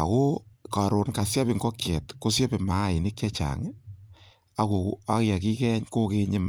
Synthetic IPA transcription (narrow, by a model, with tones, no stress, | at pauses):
a̰˨ko˦ka˨ɾo˨nka˨sja˦bi˨ŋɡɔ˦kjɛ˨tko˦sja˦be˨ma˨˦˨i˨nɪ˦kja˦t͡ʃa̰˨ŋ˦ | a˨ko˨ka˦kja˨ki˦kɛ˦ɲko˦ke˦ɲɪ˦m